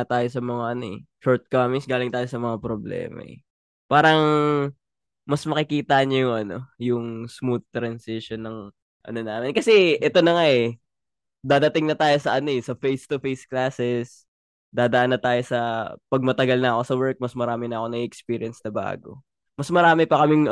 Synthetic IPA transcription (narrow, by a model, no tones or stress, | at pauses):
t̪aːjosɐmɐŋaʔɐnoɛ | ʃoɹt̪̚kamɪŋsɡaːlɪŋt̪aːjo̞sɐmɐŋapɾoblɛ̰ːmɐ̰ʔɛ̰ | paːɾɐŋ | mɐsmɐkɪkiːt̪ɐɲɐjʊŋʔɐno̞jʊŋsmuθ̚t̪ɾɐnsɪʃonːɐŋ | ʔɐ̰no̞naːmɛnkɐsɛʔɛt̪o̞nɐŋaɛ | d̪aːd̪ɐt̪ɪŋnɐt̪aːjo̞sɐʔɐno̞ɛsɐfejst̪ʊfejsklaːsɛs | d̪aːd̪ɐʔanːɐt̪aːjo̞sɐpɐɡ̚mɐt̪ɐɡɐlnɐɐko̞sɐwɛɹk̚mɐsmɐɾaːmɪnɐɐko̞nɐɡiʔɛkspiːɾɪɐnsnɐba̰ːɡo̰ | mɐsmɐɾaːmɛpɐkɐmɪŋ